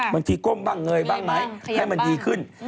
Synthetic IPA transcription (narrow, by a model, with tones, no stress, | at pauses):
ma˨˩ŋʰi˧˩ko˧˩mɓa˧˩ŋːɨ˨˩əjɓaː˧ŋma˨˦jha˧˩mɨ˨˩nʔi˨˩xɨ˧˩n